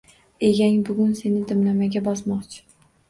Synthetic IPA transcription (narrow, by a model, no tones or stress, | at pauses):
e̞ɡʲaŋbʊɡʊnse̞nɪd̪ɪmlamaɡʲabɒsmɒqt͡ʃʰɪ̥